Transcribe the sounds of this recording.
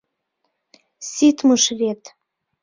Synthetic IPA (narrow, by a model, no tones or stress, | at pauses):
sit̪məʃvet̪